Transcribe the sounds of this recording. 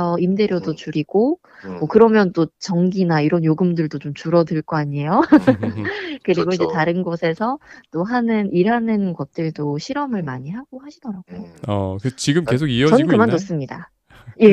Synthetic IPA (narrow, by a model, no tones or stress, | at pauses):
ʌimde̞ɾjʌdot͡ɕuɾiɡ̥o | mwʌkɯɾʌmjʌnt͈ot͡ɕʌŋɡinaiɾʌnjoɡɯmdɯɭdot͡ɕomt͡ɕuɾʌdɯɭk͈ʌaɲiejo | kɯɾiɡoind͡ʑetaɾɯnɡosʰe̞sʰʌt͈oɦanɯnʔiɾɦanɯnɡʌt̚t͈ɯɭdoɕʰiɾʌmɯɭmaɲiɦaɡ̥ohaɕʰidʌɾaɡ̥oʌ̰kɯt͡ɕiɡɯmke̞s̬ʰoɡiʌʌniɯkɯmanːos͈ɯmɲida | je